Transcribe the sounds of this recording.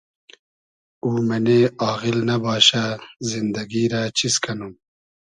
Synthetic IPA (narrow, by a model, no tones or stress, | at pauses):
uːmɐneaːɣilnɐbaːɕazind̪ɐɡiːɾat͡ɕʰiskʰɐnum